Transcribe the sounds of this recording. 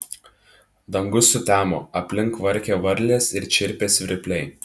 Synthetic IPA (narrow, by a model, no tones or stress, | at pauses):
d̪ɐŋɡʊsʊt̪ʲæːmo̰ːɐpʲlʲɪŋˑkʋɐɾʲkʲeːʋɐɾʲˑlʲeːsɪɾt͡ʃʲɪɾʲpʲeːsʲʋʲɪɾʲɪpʲlʲɛɪ